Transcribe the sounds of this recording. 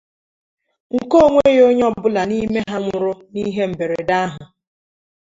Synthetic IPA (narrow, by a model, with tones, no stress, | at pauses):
ŋ̩˨ko˦˨ŋʷe˦jo˦ɲ˦ɔ˦bʊ˦la˨ni˦me˦ɦa˦ŋʷʊ˨ɾʊ˦ni˦ɦe˦m̩˨be˨ɾe˨da˦ɦʊ˨